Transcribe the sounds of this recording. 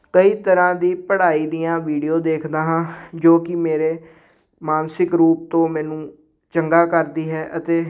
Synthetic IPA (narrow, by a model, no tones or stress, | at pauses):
kəiːt̪əɾãːd̪iːpəɽaːiːd̪ɪjãːʋiːɖijoːd̪eːkʰd̪aːɦãːd͡ʒoːkɪmeːɾeː | maːnsɪkɾuːp̚t̪õːmɛːnũː | t͡ʃəŋɡaːkəɾd̪iːɦɛːʔət̪eː